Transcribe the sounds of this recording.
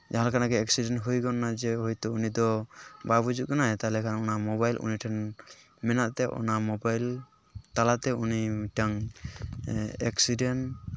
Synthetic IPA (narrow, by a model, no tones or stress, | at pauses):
d͡ʒaɦalkanaɡɛɛksidɛnɦujkɔnːad͡ʒɛɦɔjt̪ɔunid̪ɔbabud͡ʒut̪̚kɔnaɛt̪alɛkʰanɔnamɔβajlʔṵniʈʰɛn | mɛnaʔt̪ɛʔɔ̰namɔbajl | t̪alat̪ɛuniʈaŋ | ɛksiɖɛn